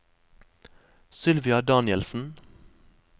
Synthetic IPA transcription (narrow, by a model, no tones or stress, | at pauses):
sʏlʋɪɑd̪ɑːnəlsn̩